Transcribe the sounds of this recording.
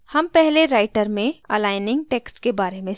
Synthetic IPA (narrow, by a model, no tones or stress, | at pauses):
hɐmpɛɦleɾaːɪʈəɾmẽɐlaːɪnɪ̃ŋɡ̚ʈeːksʈkebaːɾemẽ